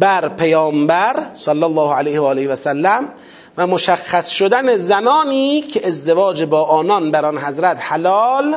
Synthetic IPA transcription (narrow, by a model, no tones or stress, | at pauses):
bæɾpʰejɒːmbæɾsɑlːælˠˤːɒːhælejhevɒːleheʋæsælːæm | væmoʃæxːæsʃod̪ænezænɒːniːcʰeʔezd̪evɒːd͡ʒebɒːʔɒːnɒnbæɾɒnɦæzɾæt̪hælɒːl